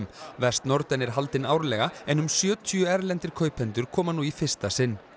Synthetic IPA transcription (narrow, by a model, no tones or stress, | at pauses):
mvɛst̪nɔɾt̪ɛnɛɾ̥ɦalt̪ɪnaːwɾlɛɣaɛnʏmsjœːt̪ʰiʏɛɾlɛnt̪ɪɾ̥kʰœːɥpʰɛnt̪ʏɾ̥kʰɔːmanuifɪ̥st̪asɪnː